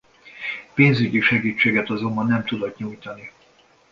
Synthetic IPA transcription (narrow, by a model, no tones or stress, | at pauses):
peːnzyɟiʃɛɡiːt͡ʃːeːɡɛt̪ɒzo̞mbɒnːɛmt̪ud̪ot̪ɲujt̪ɒni